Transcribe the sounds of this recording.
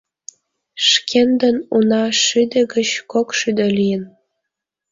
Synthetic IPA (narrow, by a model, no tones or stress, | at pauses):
ʃkend̪ə̆nunɑʃyd̪ĕɡə̆t͡ɕkokʃyd̪ĕlijən